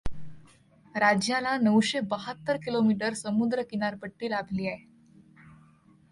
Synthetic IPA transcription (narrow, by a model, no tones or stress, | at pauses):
ɾad͡ʑjalanəwɕebəɦət̪ːəɾkilomiʈəɾsəmud̪ɾəkinaɾpəʈːiːlabʱliːaɦe